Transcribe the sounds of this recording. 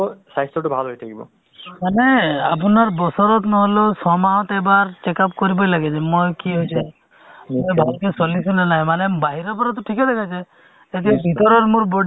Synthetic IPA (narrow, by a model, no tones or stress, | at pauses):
ɔsast̪ɾɔʈubʱalɦojt̪ʰakibɔ̰ | maneap̬unaɾbɔsɔɾɔt̪nɔɦɔlosɔmaw̃t̪ebaɾt͡ʃekap̚kɔɾibɔjlaɡet͡ʃʰemojkiɦɔjt͡ʃʰe | mʱuebʱalkesɔlisulenajmanembaɦiɾɔpɔɾɔt̪̬ɔʈʰiked̪ekʰat͡ʃʰe | et̪iebʱit̪ɔɾɔɾmuɾbɔɖ